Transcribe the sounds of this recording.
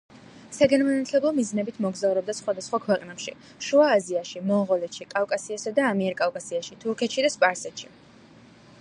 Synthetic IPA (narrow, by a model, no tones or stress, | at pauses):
saɡanmanat̪ʰlɛblˠɔmiznɛbit̪ʰmɔɡzauɾɛb̚d̪asχwad̪asχwakʰwɛqʼnɛpʃḭ | ʃuaːziaʃimɔʁɔlɛt̪ʃikʼavkʼasiasad̪aːmiɛɾkʼavkʼasiaʃit̪ʰuɾkʰɛt̪ʃid̪aspʼaɾsɛt̪ʃi